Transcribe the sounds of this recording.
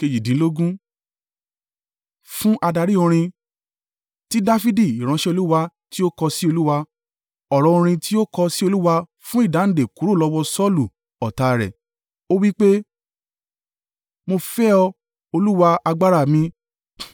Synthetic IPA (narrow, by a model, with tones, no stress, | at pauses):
ke˧d͡ʒi˨dĩ˨˦lo˦ɡũ˦ | fũ˦ʔa˧da˧˨ɾi˦o˧ɾ̃ĩ˧ | ti˦da˦fi˦di˦˨i˨ɾ̃ã˨˧˦ʃɛ˦o˧lu˦wa˧ | ti˦o˦kɔ˧si˦o˧lu˦wa˧ | ɔ˨ɾɔ̃˨˧õ˧ɾ̃ĩ˧ti˦o˦kɔ˧si˦o˧lu˦wa˧ | fũ˦i˦˨da˨˦n̩˨de˨ku˨˦ɾu˦˨lɔ˧wɔ˧sɔ˦˨lu˨ | ɔ˨ta˨˧ɾɛ̰˨ | o˦wi˦k͡pe˦ | mo˧fɛ˦ɔ˧ | o˧lu˦wa˧a˧ɡ͡ba˦ɾa˦˨mĩ˧